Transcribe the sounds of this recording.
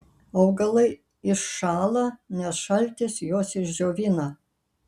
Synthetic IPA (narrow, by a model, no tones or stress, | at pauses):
ɐʊɡɐlˠɐɪ | ɪʃːɑːlˠɐnʲɛsʃɐlʲˑt̪ʲɪsjoːsɪʒʲzʲoːʋʲinɐ